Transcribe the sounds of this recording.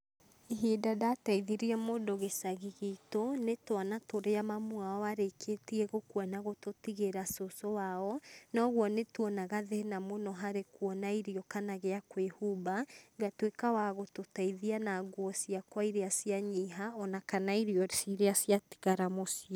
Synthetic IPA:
iɦedadaːtaiðiɾiɛmodoɣesaɣiɣitonetwanatoɾeamamwaɔaɾekʰetiɛɣokwanaɣototiɣeɾasosɔwaɔnɔːɣwɔnetwɔnaɣaðenamonɔɦaɾekwɔnaiɾiɔkanaɣeakwehubaɡatwekawaɣototaiðianaɡwɔsiakwaiɾeasiaɲiɦaɔnakanaiɾiɔsiɾeasjati̥ɣaɾamosiɔ

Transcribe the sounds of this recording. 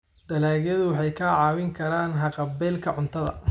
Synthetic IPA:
d̪̥ɐlaːɣjɐðʊwɑħɑjkʰaːʕɑːwɪŋkʰɐɾaːnɦɐqɑbɛːlkʰɐʕʊnt̪ʰɐðɐ̰

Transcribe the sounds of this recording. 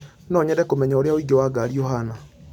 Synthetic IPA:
nɔɲɛɾɛkomɛɲaoɾeaoiɡewaɡaːɾiɔɦana

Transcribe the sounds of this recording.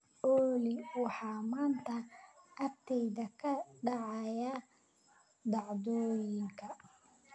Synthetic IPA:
ʔɔːlɪwɑħɑːmaːnt̪ʰɐɐrt̪ʰɛjðɐkʰɐɖɑʕɑja | d̪ɑʕðɔːjɪŋkʰɐ

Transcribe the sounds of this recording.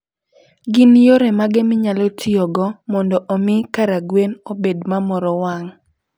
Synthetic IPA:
ɡɪnjoɾɛmaɡɪmɪɲalɔtʰiɔɡɔmɔndɔʔomɪkaɾaɡwenobedmamɔɾɔwaŋ

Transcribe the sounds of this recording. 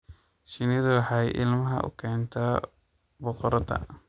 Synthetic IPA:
ʃɪnɪðʊwɑħɑjʔɪ̰lmɐɦɐ̰ʔʊ̰kʰɛːnt̪ʰɐ | bɔqɔɾɐdɐ̰

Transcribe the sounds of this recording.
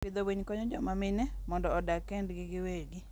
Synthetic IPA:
pɪd̪owiɲkɔɲɔd͡ʒɔmamɪnɛmɔndɔːdakɛndɡɪɡɪweɡi

